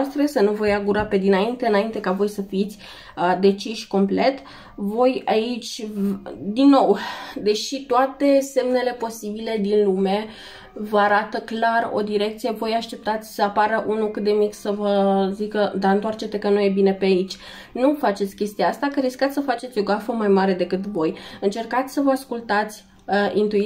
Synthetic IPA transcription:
st̪ɾe̞sənuvo̞jaɡuɾape̞d̪inaint̪eɨnaint̪e̞kavo̞jsəfit̪sʲ | d̪e̞t͡ʃiʃko̞mple̞t̪ | vo̞jait͡ʃʲ | d̪inːo̞wd̪e̞ʃit̪oat̪e̞se̞mne̞le̞po̞sibile̞d̪inlume̞ | vəaɾat̪əklaro̞̰d̪iɾe̞k̚t̪sije̞vo̞jaʃt̪e̞p̚t̪at̪sʲsəapaɾəʔunukɨt̪̚d̪e̞miksəvəzikəd̪aɨnt̪oart͡ʃe̞t̪ekənuje̞bine̞peait͡ʃʲ | nufat͡ʃe̞t̪sʲkʲe̞st̪ijaast̪akəɾiskat̪sʲsəfat͡ʃe̞t̪sʲo̞ɡafəmajmaɾe̞d̪e̞kɨt̪vo̞jɨnt͡ʃe̞rkat̪sʲsəvəaskult̪at̪sʲ | ʔint̪u

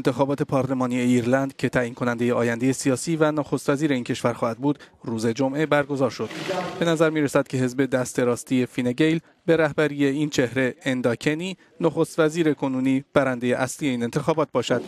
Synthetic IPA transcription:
ent̪ʰexɒːbɒːt̪ʰe̞pʰɒːɾle̞mɒːnie̞iːɾlænd̪cʰe̞t̪ʰæːʔiːnkʰo̞nænd̪e̞jeɒːjænd̪eje̞siɒːsiːvænoxo̞st̪væziːɾe̞iːncʰe̞ʃvæɾxɒːhæd̪̚buːd̪̥ɾuːze̞d͡ʒo̞mʔe̞bæɾɡo̞zɒːɾʃo̞d̪̥b̥e̞næzæɾmiːɾesæd̪̥̚cʰe̞ɦe̞zbe̞d̪æst̪e̞ɾɒːst̪ije̞fineɟe̞jl | be̞ɾæhbæɾije̞int͡ʃʰe̞hɾe̞ːnd̪ɒcʰe̞niː | noxo̞st̪væziːɾe̞kʰo̞nuːniːb̥æɾænd̪e̞je̞ʔæslije̞iːne̞nt̪ʰe̞xɒːbɒːt̪̚bɒːʃæd̪̥

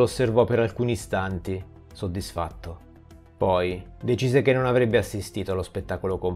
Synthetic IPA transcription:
osːervɔpːeɾalkuːniːst̪ant̪i | sod̪ːisfa̰t̪ːo | pɔjd̪et͡ʃiːzekenːonavɾebːeasːist̪iːt̪oalospet̪ːaːkolokom

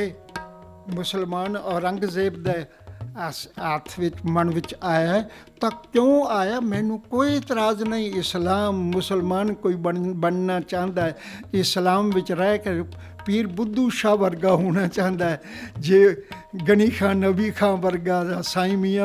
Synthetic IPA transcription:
eː | mʊsəlmaːnɔːɾəŋɡzeːb̚d̪eː | ət̪ʰʋɪt͡ʃmənʋɪt͡ʃaːjaːɛ | t̪ãːkjõːaːjaːmɛ̃ːnũːkoːit̪ɾaːznəĩːɪslaːmːʊsəlmaːnkoːiːbəbəɳnaːt͡ʃãːnd̪aːɛː | ɪslaːmʋɪt͡ʃɾɛːkə | piːɾbʊd̪ːuːʃaːʋəɾɡaːɦoːñaːt͡ʃãːnd̪aːɛ | d͡ʒeː | ɡəniːkʰãːnəbiːkʰãːʋəɾɡaːd̪aːsaːimijãː

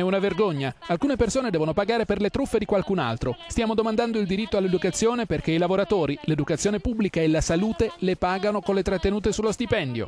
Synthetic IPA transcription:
ɛunaverɡoɲːaalkuːnepersoːned̪ɛːvonopaɡaːɾeperlet̪ɾufːed̪ikwalkuna̰lt̪ɾost̪jaːmod̪omand̪and̪oild̪iɾit̪ːoalːed̪ukat̪sːjoːneperk̟eilavoɾat̪oːɾiled̪ukat̪sːjoːnepubːlikaelasaluːt̪elepaːɡanokonlet̪ɾat̪ːenuːt̪esulːost̪ipɛnd̪jo̰

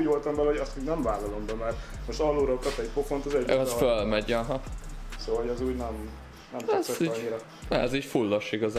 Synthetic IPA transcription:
uːɟʋolt̪ɒmvɛlɛoɒst̪iːɡnɛɱvaːlːɒlombɛmɛrmoʃt̪ɒlːuɾokɒpɛɟpofont̪ɒzɛɒfølmɛɟɒɦɒsoːɦoɟɛzuːɟnɛm | nɛmɛsɛiːɲiɾɛ | ɛziːcfulːɒʃiɡɒz

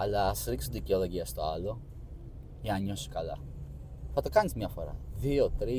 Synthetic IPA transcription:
ɐlɐːsɾiksunðiceolo̞ʝiɐst̪o̞ɐlo̞ | jeɐɲo̞si̥kɐlɐ | θɐt̪okɐnizmɲɐfo̞̰ɾɐ̰ðio̞t̪ɾi

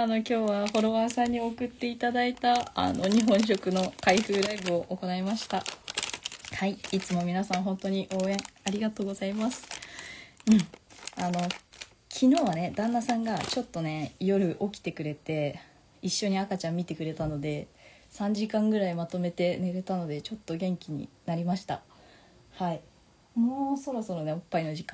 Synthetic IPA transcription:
ano̞kʲo̞ːβaho̞ɾo̞βaːsãɲ̟ːio̞kɯ̟t̪ːe̞it̪ad̪ait̪a̰ːno̞ɲ̟iɦõ̞ɰ̃ɕ̬o̞kɯ̟no̞kaiɸɯ̟ːɾaibɯ̟o̞ʔoko̞naimaɕi̥t̪a | haiit͡sɨmo̞mʲinasãɰ̃ɦõ̞nt̪o̞ɲ̟iʔo̞ːẽ̞ŋaɾʲiɡat̪o̞ːɡo̞zaimasɨ̥ | ɯ̟̃ɴano̞ | kʲʰino̞ːβane̞d̪ãnːasãŋɡat͡ɕo̞t̪ːo̞ne̞jo̞ɾɯ̟ʔo̞kʲi̥t̪e̞kɯ̟ɾe̞t̪e̞ | iɕːo̞ɲ̟iakat͡ɕãmmʲːit̪e̞kɯ̟ɾe̞t̪ano̞d̪e̞ | sãɲ̟d͡ʑikãŋɡɯ̟ɾaimat̪o̞me̞t̪e̞ne̞ɾe̞t̪ano̞d̪e̞t͡ɕo̞t̪ːo̞ɡẽ̞ŋkʲiɲ̟ḭnaɾʲimaɕi̥t̪a̰ | hai | moːso̞ɾo̞so̞ɾo̞ne̞opːaino̞ʑikã

